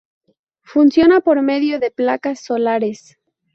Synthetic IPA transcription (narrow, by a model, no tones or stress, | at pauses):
funsjo̞napo̞ɾme̞ðjo̞ðe̞plakasːo̞laɾe̞s